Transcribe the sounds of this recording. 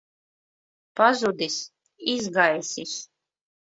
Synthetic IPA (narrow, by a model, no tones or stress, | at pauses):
pazud̪is | izɡajsis